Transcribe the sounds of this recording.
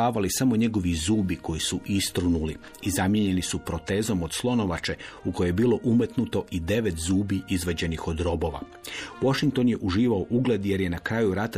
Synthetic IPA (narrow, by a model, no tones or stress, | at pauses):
aːʋalisamo̞ɲe̞ɡo̞ʋizuːbiko̞jisuʔist̪ɾunuli | izamje̞ɲe̞nisupɾo̞t̪e̞ːzo̞mo̞d̪̥slˠo̞no̞ʋat͡ʃe̞uko̞jejebiːlˠo̞ʔumet̪nut̪o̞ʔid̪e̞ʋe̞t̪zuːbiʔizʋad͡ʑe̞nixo̞d̪ɾo̞bo̞ʋa̰ | wo̞ʃiŋkt̪o̞njeʔuʒiːʋaoʔuɡle̞d̪je̞ɾje̞nakɾaːjuɾat̪a